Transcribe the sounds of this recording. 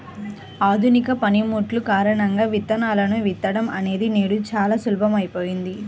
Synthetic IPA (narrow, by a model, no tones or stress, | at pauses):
aːd̪ʱunikɐpɐnimuːʈlukaːɾɐɳɐŋɡaːʋit̪ːɐnaːlɐnuʋit̪ːɐɽɐmɐne̞ːd̪ineːɽut͡ʃaːlaːsulbʱɐmɐjpo̞ːjind̪i